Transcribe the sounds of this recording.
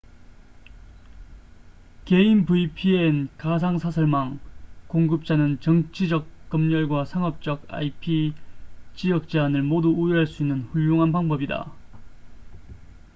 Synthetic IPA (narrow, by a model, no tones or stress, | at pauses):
ke̞inpuipʰienkas̬ʰaŋsʰasʰʌɭmaŋkoŋɡɯp̚t͡ɕ͈anɯnt͡ɕʌŋt͡ɕʰid͡ʑʌk̚k͈ːʌmɲʌɭɡwasʰaŋʌp̚t͡ɕ͈ʌɡa̰ipʰi | t͡ɕijʌk̚t͡ɕ͈eanɯɭmoduːjiɦaɭs͈uinːɯnɸuʎːoŋɦanpaŋbʌbida̰